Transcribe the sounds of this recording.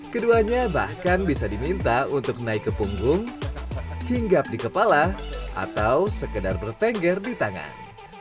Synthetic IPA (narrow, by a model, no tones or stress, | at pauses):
kəduaɲabahkanbisadimint̪aunt̪ʊk̚naɪkːəpuŋɡʊŋ | hiŋɡap̚dikəpalaʔa̰t̪awsəkədarbərt̪ɛŋɡɛrdit̪aŋa̰n